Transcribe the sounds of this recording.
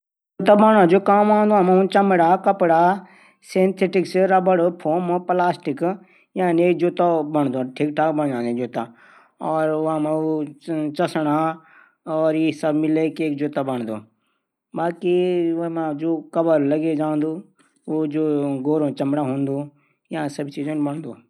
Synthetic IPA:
d͡ʒoːt̪aːbaɳãːd͡ʒoːkaːmãːnd̪oamãũnt͡ʃɐmɽaːkəpɽaː | sent̪ʰeʈɪksɾabəɽopʰoːmoplaːsʈɪk | jaːnieːkd͡ʒoːt̪abəɳ̃d̪oʈʰiːkʈʰaːkbəɳd͡ʒãːnd̪ẽd͡ʒoːt̪aː | ɔːɾãːmãut͡ʃɐsəɽa | ɔːɾiːsəbmɪlekeːk̚d͡ʒoːt̪aːbəɳ̃d̪oː | baːkimãd͡ʒoːkəbəɾləɡed͡ʒãːnd̪uː | od͡ʒoːɡoːɾõːt͡ʃɐmɽaɦũːnd̪oː | ɪãsəbt͡ʃiːd͡ʒənbəɳd̪oː

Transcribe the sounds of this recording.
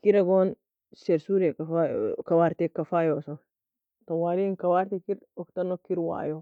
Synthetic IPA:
kiɾɐɡon | seɾsuɾekafajkɐwaɾt̪ekɐfajoso | t̪owaːɾinkɐwaɾt̪ikiɾ | ɔkt̪ɐnːokiɾwa̰jo

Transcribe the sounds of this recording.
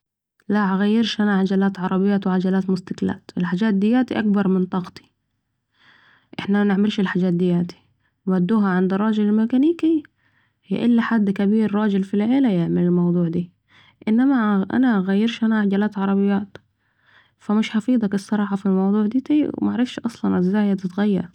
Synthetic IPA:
laʕaɣajːɪɾʃʔanaʕad͡ʒalaːt̪ʕɑɾˤɑbɪjːaːt̪wʕad͡ʒalaːt̪mʊst̪akla̰ːt̪ɪlħad͡ʒaːt̪̚d̪ɪjːaːt̪iʔak̚bɑɾˤmɪnt̪ˤɑɣt̪i̥ | ʔɪħnamanɪʕmɪlʃɪlħad͡ʒaːt̪̚d̪ɪjːaːt̪i̥ | nwad̪ːuːɦaʕand̪ɑrˤːɑːd͡ʒɪlɪlmɪkaniːki | hj̰ːʔɪlːaħad̪ːkabiːɾːˤɑːd͡ʒɪlfilʕeːlajɪʕmalɪlmɑwd̪ˤuːʕd̪iː | ʔɪnːamaʔa̰naʔɣajːɪɾʃʔanaʕad͡ʒalaːt̪ʕɑɾˤɑbɪjːaːt̪ | famɪʃħɑfiːd̪ˤɑkɪsˤːɑɾˤɑːħɑfilmɑwd̪ˤuːʕd̪iːt̪iːwmaʕɾɪfʃʔɑsˤlɑnʔazːaːjad̪ɪt̪ɣajːɑ̰ɾˤ

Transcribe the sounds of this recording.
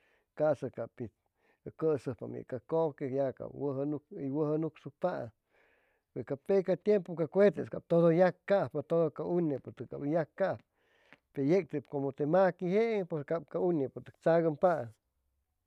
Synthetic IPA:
kasakapi | kəsɨpa̰mḛʔkakokejaka̰pwəɦnukiwəhənuksupa̰ | weskapekat̪jempokakʷet̪eskap̚t̪oðojakːahpat̪oðokaunepot̪ɨkabjakːahp̚ | pejek̚t̪ɨpkomot̪emakiheʔepeskap̚kaunepot̪ɨk̚t͡saɣəmpaʔ

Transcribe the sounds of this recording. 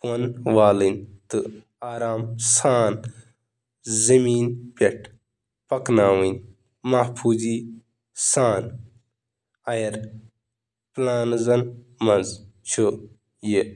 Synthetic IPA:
ɐnʋaːlint̪ɨ | aːɾaːmsaːn | zɐmiːnpʲɐʈʰ | pɐknaːwin | mɐhpʰuːziː | saːn | ɐjɐɾ | plaːnzɐn | mɐnzt͡ʃʰu | je

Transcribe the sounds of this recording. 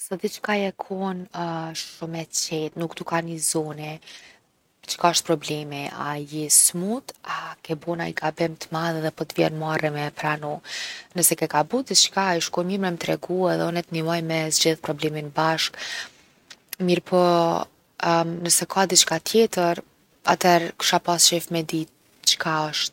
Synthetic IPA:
sɔd̪it͡ʃkajɛkʰɔnʃumɛt͡ɕɛt̪nukd̪ukanizɔni | t͡ʃə̥kaʃt̪̚pɾɔblɛmia̰jismut̪akɛbɔnaiɡabɛmt̪əmaðɛðɛpɔt̪vjɛ̰nmarɛmɛpɾanɔnəsɛkɛkabud̪it͡ʃkaɛʃkɔɾmimɾɛmt̪ɾɛɡuaðɛɔnɛt̪nimɔjmɛzd͡ʑiðpɾɔblɛminbaʃk | miɾpʰɔ | nəsɛkʰad̪it͡ʃkat̪jɛt̪əɾ | a̰t̪ɛɾkʃapasʃɛfmɛd̪it̪ | t͡ʃkaɔʃt̪̚

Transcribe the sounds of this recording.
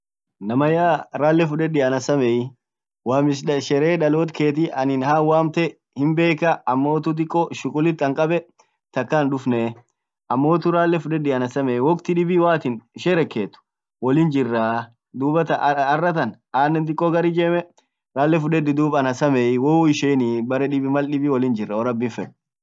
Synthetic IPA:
nɐmɐjaːɾaːlːɛfʊᶑɛd̪ɪɐnɐsɐmɛɪ | waːmɪs̬ʃɛɾeːᶑɐloːt̪kʰe̞ːt̪̬iʔɐnɪnhaːwaːmt̪ɛ | hɪmbe̞ːkɐʔɐmːo̞ːt̪ʊt̪̬ɪkʼːɔʃʊkʼʊlɪt̪ːɐŋkʼɐbɛ | t̪ɐkːaːnd̪ʊfne | ʔɐmːo̞ːt̪ʊɾaːlːɛfʊᶑɛd̪ɪɐnɐsɐmɛwɔkt̪ɪᶑɪbiwaːt̪ɪnɪʃeːɾɛkːeːt̪ːʊ̥ | wɔlɪnd͡ʒɪrːaː | d̪uːbɐt̪ɐɐrːɐt̪ɐn | aːnːɛnt̪̬ɪkʼːɔɡɐɾid͡ʒemɛ | ɾaːlːɛfʊᶑɛd̪ːɪd̪uːbɐɐnɐsɐmɛwoɪʃeːnɪbɐɾɛᶑɪbɪmɐlᶑɪbɪwɔlɪnd͡ʒɪrːɐwɔɾɐbːɪnfɛn

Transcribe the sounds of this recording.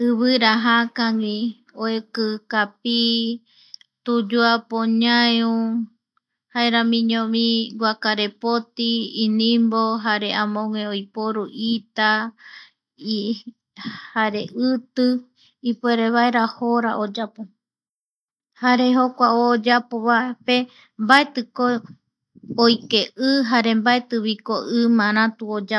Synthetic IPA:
ɨβɨɾaɦakaŋĩ | oekɨkapi | t̪ud͡ʒuapoɲãeũ | haeɾamĩɲõmĩɡʷakaɾepot̪iːnĩmboɦaɾe̞ãmõŋʷẽojpoɾuʔit̪a | i | haɾeʔɨt̪ɨ | ipueɾeβaeɾahoɾaʔod͡ʒapo | haɾeɦokʷaod͡ʒapoβape | mbaet̪ɨko | ojkeʔɨɦaɾe̞mbaet̪ɨβikoʔɨmãɾãt̪uod͡ʒa

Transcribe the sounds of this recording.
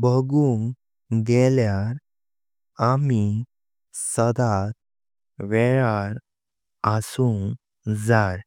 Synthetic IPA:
bəɡuŋ | ɡ̪eljaɾ | ami | səd̪at̪ | ʋɛɭaɾ | asuŋ | d͡zaɾ

